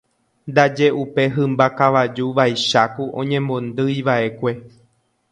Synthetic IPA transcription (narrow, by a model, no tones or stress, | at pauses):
nd̪ad͡ʒe̞ʔupe̞ɦɨ̃mbakaʋad͡ʒuʋajʃakuʔõɲẽ̞mbõ̞nd̪ɨjʋae̞kʷe̞